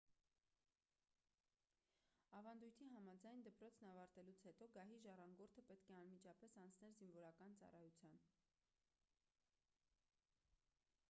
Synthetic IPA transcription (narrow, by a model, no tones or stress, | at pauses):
ɑvɑnd̪ujt̪ʰiɦɑmɑd͡zɑjnd̪əpɾɔt͡sʰnɑvɑɾt̪ɛlut͡sʰhɛt̪ɔɡɑɦiʒɑrɑŋɡɔɾt̪ʰəpɛt̪kʰɛɑnmit͡ʃʰɑpɛsɑnt͡sʰnɛlzinvɔɾɑkɑnt͡sɑ̰rɑjut͡sʰjɑn